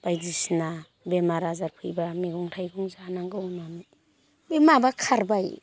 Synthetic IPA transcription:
b̥ajdisna | bemaɾazaɾpʰɯjbameɡɔŋtʰajɡuŋzanaŋɡɯnami | bemabakʰaɾbaj

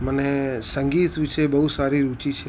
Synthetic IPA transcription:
mənesəŋɡit̪ʋɪʃebəɦusaɾiɾut͡ʃit͡ʃʰe

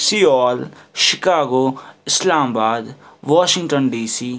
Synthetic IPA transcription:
siːɔːlʃɪkaːɡoːɪslaːmbaːd̪ʋaːʃɪ̃ŋʈənɖiːsiː

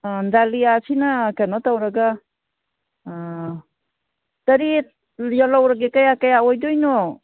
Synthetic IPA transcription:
ndaliasʰinakenɔtawɾaɡa | tɐɾi | jɔlawɾaɡekajakajaɔjdɔjnɔ

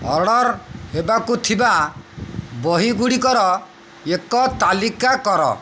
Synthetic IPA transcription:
ɔɽɔɾhebakut̪ʰiba | bɔɦiɡuɽikɔɾɔ | ekɔt̪alikakɔɾɔ̰

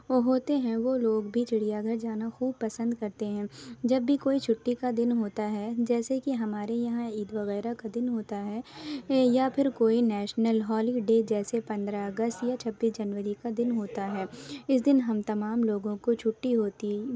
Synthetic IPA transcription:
oɦoːt̪eɦɛ̃ʋoːloːɡbʱit͡ʃɪɽ̤ijaɡʱɐɾd͡ʒaːnaxuːb̚pɐsə̃nd̪kɐɾt̪eɦɛ̃d͡ʒɐbːikoːit͡ʃʰʊʈːikad̪ɪnɦoːt̪aɦɛd͡ʒɛːsekiɦɐmaːɾejɐɦãiːd̪ʋɐɣɛːɾakad̪ɪnɦoːt̪aɦɛːjapʰɪɾkoːinɛːʃnəlɦɔːliɖeːd͡ʒɛːsepɐ̃nd̪ɾaɐɡəst̪jat͡ʃʰɐbːiːsd͡ʒɐnʋəɾikad̪ɪnɦoːt̪aɦɛːɪs̬d̪ɪnɦɐmt̪ɐmaːmloːɡõkot͡ʃʰʊʈːiɦoːt̪i

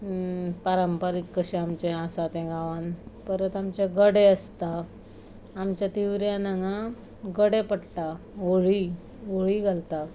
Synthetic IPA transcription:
paɾəmpəɾikːəɕɛamt͡ɕẽãsat̪ɛ̃ɡãʋãnpəɾət̪amt͡ɕeɡəɽeəst̪aː | mt͡ɕjat̪iʋɾjanaŋã | ɡəɽepəɽʈa | oɭi | oɭiːɡʱalt̪a

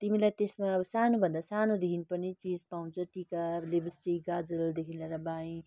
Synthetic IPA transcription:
t̪imilajt̪esmaʌbʌsanobʱʌnd̪asanod̪ekʰinpʌnit͡sid͡zpaũnt͡sʰʌʈikalebsʈiɡad͡zəld̪ekʰinlaɾabaĩ

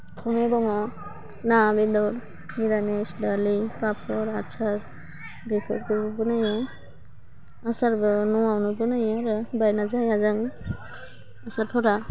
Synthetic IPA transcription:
t̪ʰɔmebɔŋɔ | nabedɔɾ | miɾanesdalipapʰɔɾat͡ʃʰaɾ | bekʰɔ̰ɾ̚kʰɯbbɯnaja | asaɾbɯnɔwawnubɯnajaɾɯbajnazajazaŋ | asaɾpʰɔɾa

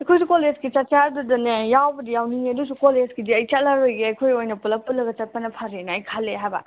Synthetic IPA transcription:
ɐjkʰojsukolezɡit͡ʃɐt̚t͡ʃaɾdudɐnejawbɐdijawniŋiɐdusukolezɡidiɐjt͡ʃɐtlaɾojɡeɐjkʰojojnɐpulɐpulɐɡɐt͡ʃɐt̚pɐnɐpʰaɾenɐɐjkʰalːeɦajbɐ̰

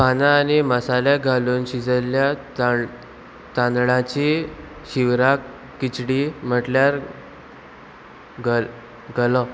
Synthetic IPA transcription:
panaːniməsaljaɡʱaluːnɕid͡zəlja | t̪ãnd̪ɭãt͡ɕi | ɕiʋɾakː | it͡ɕɽiːm̤əʈljaɾ | ɡ | ɡəlɔ

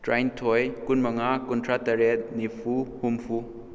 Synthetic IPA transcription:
tɾajntʰɔjkunmɐŋakuntʰatɐɾɛt̚nipʰuhumpʰu

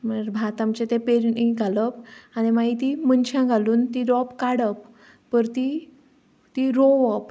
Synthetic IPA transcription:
məɾbʱat̪amt͡ɕet̪epeɾniɡʱaləpanimait̪imənt͡ɕʰãɡʱaluːnt̪iɾɔpkaɽəp | pəɾt̪i | t̪iɾoʋəp

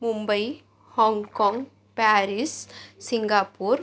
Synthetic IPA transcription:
mʊmbɐɪ | hɔːŋɡkoːŋɡ | paːɾɪssɪŋɡaːpːuːɾ

